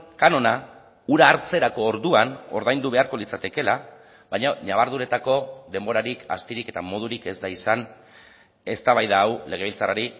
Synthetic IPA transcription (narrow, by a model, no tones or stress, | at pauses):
kano̞na | uɾaːɾt͡se̞ɾako̞ːɾðuano̞̰ɾðajnd̪uβe̞aɾko̞lit͡sat̪e̞ke̞la | βaɲaɲaβ̞aɾðuɾe̞t̪ako̞ðe̞mbo̞ɾaɾika̰st̪iɾike̞t̪amo̞ð̞uɾike̞zd̪aisan | e̞st̪aβajðaːwle̞ɣ̞e̞β̞ilt͡saraɾi